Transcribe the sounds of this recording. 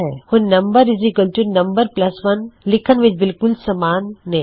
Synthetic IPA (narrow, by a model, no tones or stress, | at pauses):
ɛhʊnnːɐ̃mbəɾɪzikəlt͡ʃuɾnɐ̃mbəɾplɐsʋɐnlɪkʰənʋɪt͡ʃbɪlkʊlsɐmaːnːẽ